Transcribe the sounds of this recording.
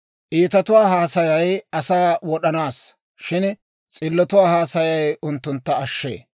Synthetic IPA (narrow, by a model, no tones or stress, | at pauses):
ʔiːt̪ɐt̪ʊwaːɦaːsɐjɐjɐsaːwɔɗɐnaːs | ʃɪn | t͡sʼɪlːɔt̪ʊwaːhaːsɐjɐjʊnt̪ːʊnt̪ːɐːʃːḛː